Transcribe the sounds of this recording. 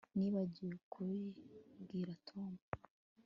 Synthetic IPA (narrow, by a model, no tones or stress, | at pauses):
niβaɟiukʰuɾibɡiːɾatʰoːmbu